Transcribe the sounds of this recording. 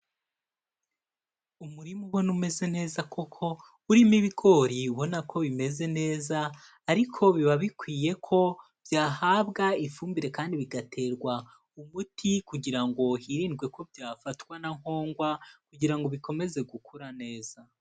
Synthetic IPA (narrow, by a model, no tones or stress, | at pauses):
umuɾimuβonume̞ze̞ne̞ːzakʰo̞kʰo̞ | uɾimiβiɡo̞ɾiuβo̞nakʰo̞βime̞ze̞ne̞ːzaː | ɾikʰo̞βiβaβikwiːje̞kʰo̞ | vjaːhaβɡaifuːmbiɾe̞kaːndiβiɡatʰe̞ːɾɡwa | umutʰikuɟiɾaŋɡo̞hiɾiːnɡwe̞ko̞vjaːfatwanaŋ̥ho̞ːŋɡwakuɟiɾaŋɡo̞βiko̞me̞ze̞ɡukuɾane̞ːz̥a